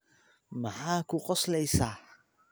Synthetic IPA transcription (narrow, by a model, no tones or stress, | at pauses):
mɐħaːkʰʊqɔslɛjsaː